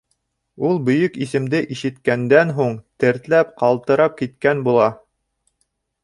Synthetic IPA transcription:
ulˠbɵ̆jɵkisɘ̆md̪ɘʔiʃɘ̆t̪kænd̪ænɦuɴt̪ɘ̆ɾt̪læp̚qɑlˠt̪ɤ̆ɾɑp̚kit̪̚kænbulˠɑ

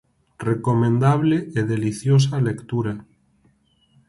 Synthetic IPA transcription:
rekomẽnd̪aβ̞leeðeliθjos̬alekt̪uɾa

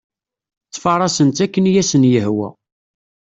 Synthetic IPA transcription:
t͡sːfɑɾˤɑsənt̪ækːənjæsənjəhwæ̰

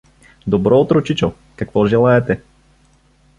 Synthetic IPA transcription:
d̪obɾɔot̪ɾot͡ʃit͡ʃo | kakvɔʒɛlˠaɛt̪ɛ

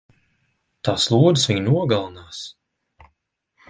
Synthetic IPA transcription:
t̪aːslˠuːd̪ɨsviɲnuɔɡalˠanaːs

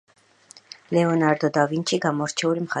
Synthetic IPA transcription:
lɛɔnaɾd̪ɔd̪avint͡ʃʰiɡamɔɾt͡ʃʰɛulimχa

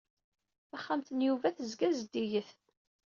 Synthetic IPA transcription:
aχːamt̪ənjuvæθəzɡæzəd̪ːijəθ

